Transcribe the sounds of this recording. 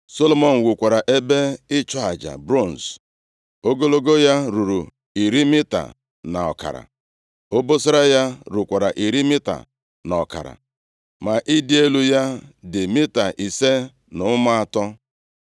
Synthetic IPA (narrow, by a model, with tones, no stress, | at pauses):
so˦lo˨mɔ˨n̩˨wu˨kʷa˨ɾa˨ʔe˦be˦ɪ˦t͡ʃɔ˦a˨d͡ʒa̰˨bɾo˦˨n̩˨s | o˦ɡo˦lo˦ɡo˦ja˦ɾu˨ɾu˨ | i˨ɾi˦mɪ˦ta̰˨ | na˨ɔ̰˨ka̰˨ɾa̰˨ | o˦bo˦sʊ˦ɾa˦ja˦ɾu˨kʷa˨ɾa˨ʔi˨ɾi˦mɪ˦ta̰˨ | nɔ˨ka̰˨ɾa̰˨ | ma˨ʔi˦dɪ˦e˦lu˦ja˦dɪ˨mɪ˦ta˨ʔi˨se˦ | nʊ˨˦ma˦a˦tɔ˦